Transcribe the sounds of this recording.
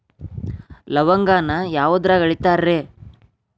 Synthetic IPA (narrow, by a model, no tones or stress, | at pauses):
lɐʋɐŋɡaːnɐjaːʋɐd̪ɾaɡɐɭit̪aːɾɾeː